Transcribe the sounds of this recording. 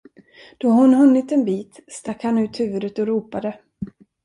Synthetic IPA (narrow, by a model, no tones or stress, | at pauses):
d̪̥ɔhʊnɦɵnːɪt̪ɛnbiːt̪st̪akhanʉ̟ːt̪hʉ̟ːvɵd̪ət̪ɔɾuːpad̪ə